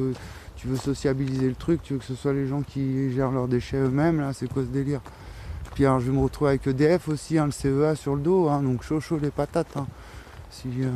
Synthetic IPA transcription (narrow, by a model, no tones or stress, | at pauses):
ø | t̪yvøsɔsjabilizelət̪χyk̚t̪yvøkəsəswaleʒɑ̃kʲʰiʒɛʁlœʁd̪eʃɛømɛmlasɛkwasəd̪eliʁ | epɥialɔʁʒəvəməʁət̪χuveavɛkəd̪eɛfosiɛ̃ləseøasyʁləd̪oɛ̃d̪ɔ̃kʃoʃolepat̪at̪ɛ̃ | si